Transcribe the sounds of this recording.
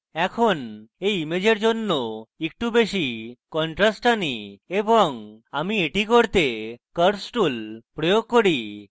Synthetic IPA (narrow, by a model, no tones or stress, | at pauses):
ɛkʰoneimed͡ʑeɾd͡ʑonːɔek̚ʈubeɕikɔɳʈɾasʈaniebɔŋamieʈikɔɽt̪ekəɾsʈulpɾɔjoɡ̚kɔɽi